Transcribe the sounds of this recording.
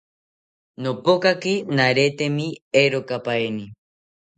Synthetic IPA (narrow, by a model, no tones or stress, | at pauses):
nopokakinaɾet̪emieɾokapaeni